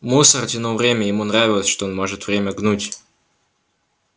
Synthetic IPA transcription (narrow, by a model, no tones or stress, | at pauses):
musərtʲɪnovɾʲemʲəjɪmunravʲɪlˠəsʲʂt̪oonmoʐɨt̪vɾʲemʲəɡnutʲ